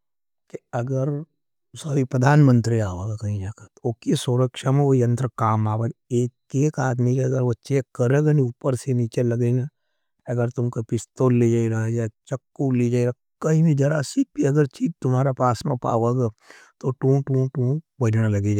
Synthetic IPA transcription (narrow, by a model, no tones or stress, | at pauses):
keɐɡəɾ | saːbipɾəd̪ʱaːnmə̃nt̪ɾiaːʋaːɡakɐɦĩd͡ʒaːkat̪oːkisʊɾəkʃamẽojɐ̃nt̪ɾəkaːmaːʋeːɡeː | eːkaːt̪miːd͡ʒeɐɡəɾʋɐtːʃekɐɾeːɡanĩuːpəɾseniːt͡ʃelɐɡena | ɐɡəɾt̪ʊmkepɪst̪oːlːed͡ʒaːiɾaɦd͡ʒat͡ʃɐkːuliːd͡ʒaːiɾa | kɐɦĩbid͡ʒɐɾasipiɐɡəɾt͡ʃiːd͡ʒt̪ʊmaːɾapaːsmẽpa̰ːʋeːɡa | t̪oʈũːʈũːʈũːbɐd͡ʒnalɐɡed͡ʒaː